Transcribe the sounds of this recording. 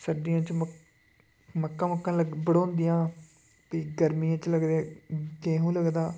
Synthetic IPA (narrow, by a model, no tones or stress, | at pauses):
səɖijãːt͡ʃm | məkːãːməkːãːləɡbəɽõːnd̪ɪjãː | piːɡəɾmijãːt͡ʃləɡd̪ekeːɦũːləɡd̪aː